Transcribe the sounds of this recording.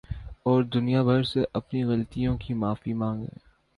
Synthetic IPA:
ɔːɾd̪ʊnijabʱɐɾseʔɐpniɣɐlt̪ijõkimaːfimãːŋɡḛ̃ː

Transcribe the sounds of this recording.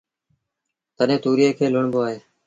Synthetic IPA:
t̪əɗẽːt̪uːɾiːeːkʰeːlʊɳboːaːɦeː

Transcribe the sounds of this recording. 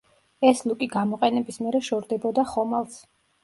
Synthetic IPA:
ɛslukʼiɡamɔqʼɛnɛbismiɛɾɛʃɔɾd̪ɛbɔd̪aχɔmalˠs

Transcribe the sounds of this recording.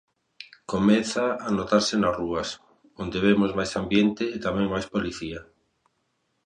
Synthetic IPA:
komeθaːnot̪aɾsenaruas | ond̪eβ̞emozmajsambjent̪eːt̪amẽŋmajspoliθia

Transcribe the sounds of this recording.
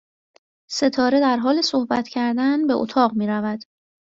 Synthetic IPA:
se̞t̪ʰɒːɾe̞d̪æɾɦɒːle̞so̞hbæt̪ʰcʰæɾd̪ænbe̞ʔo̰t̪ʰɒːɢmiːɾævæd̪̥

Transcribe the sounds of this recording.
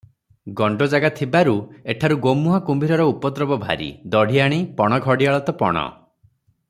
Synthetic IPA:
ɡɔɳɖɔd͡ʒaɡat̪ʰibaɾueʈʰaɾuɡomːuɦakumbʱiɾɔɾɔupɔt̪ɾɔbɔbʱa̰ɾḭd̪ɔɽ̤ʱiaɽ̃ipɔɽ̃ɔɡʱɔɽiaɭɔt̪ɔpɔ̰ɽ̃ɔ̰

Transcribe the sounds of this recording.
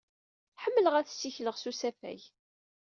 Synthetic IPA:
ħəmːələʁæθsːiçləʁsusæfæ̰j

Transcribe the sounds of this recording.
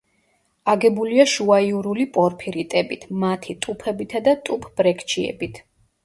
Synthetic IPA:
aɡɛbuliaʃuaiuɾulipʼɔɾpʰiɾit̪ʼɛbit̪ʰmat̪ʰit̪ʼupʰɛbit̪ʰad̪at̪ʼupʰb̥ɾɛkʰt͡ʃʰiɛ̰bit̪ʰ

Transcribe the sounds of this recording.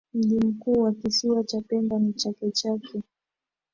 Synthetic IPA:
m̩ʄim̩kuːwakisiwat͡ʃapɛmbanit͡ʃakɛt͡ʃakɛ

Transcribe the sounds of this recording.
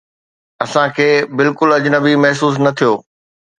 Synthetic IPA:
ɐsãkʰeːbɪlkʊlɐd͡ʑnəbimɐɦs̬uːs̬nɐt̪ʰijoː

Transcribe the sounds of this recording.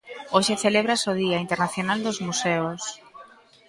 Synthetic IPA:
oʃeθeleβ̞ɾasoð̞iaint̪eɾnaθjonald̪ozmuseos

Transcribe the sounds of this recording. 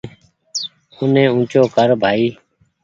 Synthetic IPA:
ʊnẽːũːt͡ʃoːkəɾbʱaːiː

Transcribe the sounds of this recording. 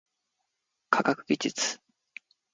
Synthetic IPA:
kʰakakɯ̟ɡʲid͡ʑit͡sɨ̥

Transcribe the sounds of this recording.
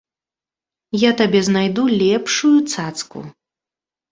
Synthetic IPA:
jat̪abʲɛznajd̪ulʲɛpʂujut̪sat̪skṵ

